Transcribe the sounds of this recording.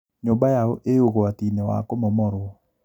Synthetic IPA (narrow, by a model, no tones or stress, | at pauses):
ɲobajaoʔeoɣowat̪inewa̰kɔmɔmɔɾɔ